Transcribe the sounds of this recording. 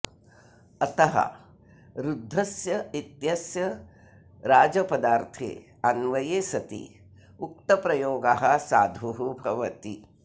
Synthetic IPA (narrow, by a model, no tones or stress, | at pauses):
ɐt̪ɐɦɐ̰ | ɾud̪ʱːɐsjɐit̪jɐsjɐ | ɾaːd͡ʒɐpɐd̪aːɾt̪ʰḛː | ɐnʋɐjeːsɐt̪ḭ | uk̚t̪ɐpɾɐjoːɡaɦɐsaːd̪ʱuɦubʱɐʋɐt̪i